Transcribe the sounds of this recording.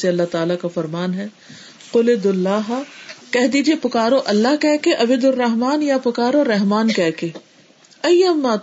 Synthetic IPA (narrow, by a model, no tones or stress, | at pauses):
seɐlːaɦt̪aːlakafɐɾmaːnɦɛː | qʊled̪ʊlːaːɦakɛɦd̪iːd͡ʒiepʊkaːɾoʔɐlːaɦkɛːkeʔɐbed̪ʊrːɐɦmaːnjapʊkaːɾoɾɐɦmaːnkɛːke | ɐjɐmːaː